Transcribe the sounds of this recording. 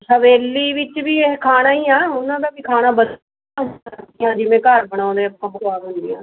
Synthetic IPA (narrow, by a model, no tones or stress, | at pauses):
səʋeːlːiːʋɪt͡ʃbiːekʰaːnaːiːãːʊnãːd̪aːbiːkʰaːñãːbət | aːijãːd͡ʒɪmẽːkəɾbəɽ̃ãːd̪eːəpːãːpəkaːbənd̪ḭːã̰ː